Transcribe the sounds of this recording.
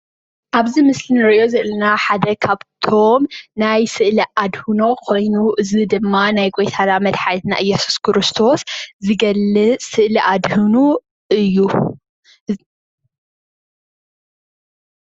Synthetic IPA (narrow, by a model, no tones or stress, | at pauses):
ʔaβzimɨslinɨɾʔjo̞zɨʔlɨnaħad̪ɐkʰaβt̪ʰo̞mnajsɨʔliʔad̪hunokʰo̞jnuʔɨzid̪ɨmːanajɡo̞jt̪ʰanamɐd̪ħajt̪na̰ʔɨjːɛsu̥skʰɾɨst̪ʰo̞szɨɡɐlːɨt͡ssɨʔliʔad̪hɨnu | ɨjːu